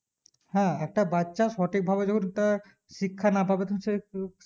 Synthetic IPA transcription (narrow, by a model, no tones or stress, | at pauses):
hɛ̃ɛk̚ʈabatːʃaʃɔʈik̚bʱabeɔkʰunt̪aɾ | ʃikʰːanapabet̪se